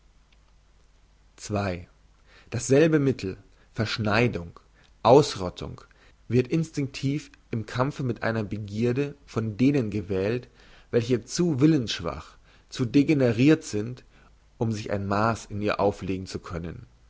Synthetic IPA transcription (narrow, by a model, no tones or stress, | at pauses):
t͡sv̥aɪ | d̥asz̥ɛlbəmɪtʰl̩ | fɛɐʃnaɪdʊŋ | ʔaʊsʁɔtʰʊ̰ŋ | vɪɐtɪnstɪŋk̚tʰiːf | ʔɪmkʰamfəmɪtʔa̰ɪnɐbəɡiːɐdəfɔndeːnənɡəvɛːlt | vɛlçət͡suːvɪlənsʃv̥a̰χ | t͡suːdeɡenəʁiːɐtz̥ɪnt | ʔʊmzɪça̰ɪnmaːsɪniːɐʔaʊfleːɡŋ̩t͡sukʰœnə̰n